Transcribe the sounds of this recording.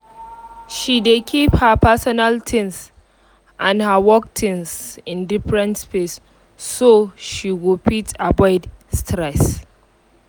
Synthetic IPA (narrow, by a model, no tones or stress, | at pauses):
ʃidekʰiphəpʰɛsɔnaltʰɪ̃ns | ʔãnhəwɔk̚tʰĩnsɪ̃ndifɹɛ̃ntspesː | oʃiɹipʰitabaɪdstʰɹɛs